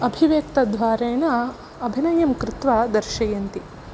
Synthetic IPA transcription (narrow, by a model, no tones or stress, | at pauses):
ɐbʱiʋeːk̚t̪ɐd̪ʋaːɾeːɳɐ | ɐbʱinɐjɐmkɾɪt̪ʋaːd̪ɐɾʃɐjɐnt̪i